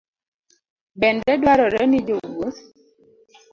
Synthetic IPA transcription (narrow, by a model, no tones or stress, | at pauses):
bɛndɛdwaɾɔɾɛnɪd͡ʒowot